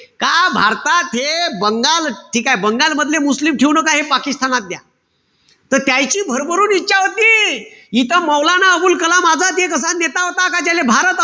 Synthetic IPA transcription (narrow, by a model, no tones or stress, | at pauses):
kabʱaɾt̪at̪ɦebəŋɡalʈʰiːkaebəŋɡalməd̪ʱlemuslimʈʰeʋunəkaɦepakist̪ʰanat̪̚d̪ja̰ | t̪əɾt̪jajt͡ɕiːbʱəɾbəɾuːnitːɕaʋət̪iːjit̪əməwlanaəbuːlkəlamad͡zʱat̪ekəs̬ãnnet̪aɦot̪akat͡ɕalebʱaɾət̪